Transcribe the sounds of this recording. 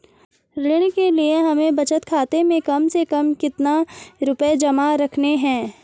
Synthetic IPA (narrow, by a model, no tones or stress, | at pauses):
ɾɪɽ̃kelieɦɐmẽbɐt͡ʃət̪kʰaːt̪emẽkɐmsekɐmkɪt̪naɾʊped͡ʒɐmaɾɐkʰneɦɛ̃ː